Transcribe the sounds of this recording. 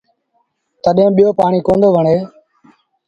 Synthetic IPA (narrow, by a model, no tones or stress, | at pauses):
t̪əɗẽːɓijoːpaːɳiːkõːnd̪oːʋəɳeː